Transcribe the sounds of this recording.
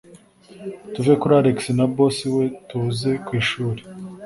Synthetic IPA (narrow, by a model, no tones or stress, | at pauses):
tuve̞kuɾaɾeksinabo̞siwe̞tuze̞kwiːʃuːɾe